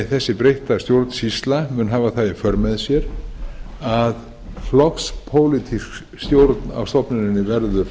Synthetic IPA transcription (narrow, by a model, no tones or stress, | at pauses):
θɛsːɪpɾejht̪ast̪jowɾt̪n̥sist̪lamʏnɦaːvaθaðɪfœɾmɛðsjɛɾ̥ | að | flɔkspʰoːwlit̪ʰisk | st̪jowɾt̪na̰vst̪ɔpnʏɾɪnːɪvɛɾðʏ